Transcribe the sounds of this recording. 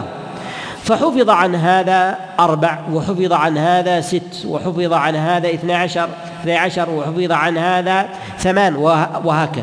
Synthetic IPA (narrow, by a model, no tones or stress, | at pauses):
faħʊfɪðˤɑʕanɦaːðaʔɑɾˤbaʕwɪħʊfɪðˤɑʕanhaːðasɪt̪ːwɪ̰ħʊfɨðˤɑʕanɦaːðaʔɪθnaʕaʃɑɾˤ | ɪθnajʕaʃɑɾˤwɪħʊfɨðˤɑʕanhaːða | θamaːnwwɪɦaːkað